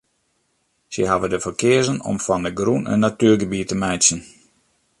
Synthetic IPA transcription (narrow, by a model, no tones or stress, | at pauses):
sə̰ɦavədəfərkɪəzənɔ̰mfɔndəɡrunə̰nːatyːrɡəbitəmɛjsjən